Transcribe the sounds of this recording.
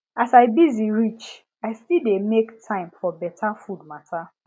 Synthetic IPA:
asaɪbiziɹit͡ʃ | aɪstildemektʰãɪ̃mfɔbɛtʰafud̚matʰa

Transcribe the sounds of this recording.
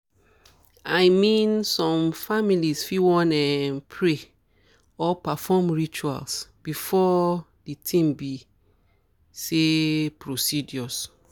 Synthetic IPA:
ajmĩnsɔ̃mfamilisfiwɔ̃nɛnpʰɹe | ɔpafɔmɹit͡ʃua̰lsb̥ifɔ | ditʰĩmbi | sepʰɹosidjɔs

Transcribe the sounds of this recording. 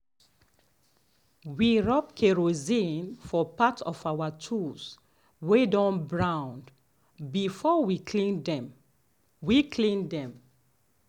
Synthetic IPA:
wiɹɔp̚kʰeɹozĩnfɔpatʰɔfawatʰus | wedɔ̃nbɹãʊ̃nd | bifɔwikʰlĩndɛ̃m | wikʰlĩndɛ̃m

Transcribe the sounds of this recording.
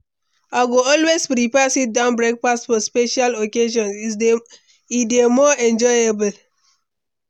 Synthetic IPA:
aɡoɔlwespɾipɛsit̚dãʊ̃nbɹek̚pastfɔspeʃalokeʃɔ̃nsi | idemɔɛ̃nd͡ʒɔjebl

